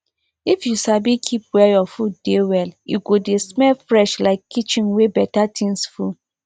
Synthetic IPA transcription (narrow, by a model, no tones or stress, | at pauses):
ifjusabikʰipwɛjɔfut̚d̥ewɛljṵɡodesmɛlfɹɛʃlaɪkʰːit͡ʃĩnwebɛtatʰĩŋsfu